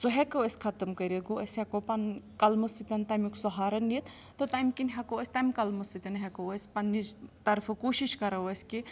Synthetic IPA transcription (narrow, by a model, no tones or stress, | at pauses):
soɦekɐʋɐsʲkʰɐt̪ɐmkɐɾʲɐɡoɐsʲhekopɐnkɐlmɐsit̪ʲɐnt̪ɐmiksɔɦaːɾɐnit̪ | t̪ɨt̪ajmʲkinʲɦɐkoɐsʲt̪ajmkɐlmɐsit̪ʲɐnɦʲekɐʋɐsʲpɐnːit̪ɐɾfʰɐkoːʃiʃkɐɾɐʋɐsʲki